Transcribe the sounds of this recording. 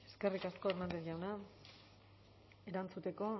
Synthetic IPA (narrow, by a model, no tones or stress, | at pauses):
e̞̥skerikasko̞eɾmand̪eɾʝawna | e̞ɾant͡sut̪e̞ko̞